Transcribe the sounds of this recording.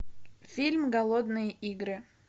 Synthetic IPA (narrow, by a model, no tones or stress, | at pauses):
fʲilʲmɡɐlˠod̪nɨjəʔiɡɾɨ